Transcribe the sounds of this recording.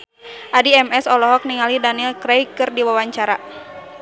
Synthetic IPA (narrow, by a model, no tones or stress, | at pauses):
ʔadiɛmɛsɔlɔɦɔk̚niŋalidanilkɾɛjkɨrdiwawaɲt͡ʃaɾa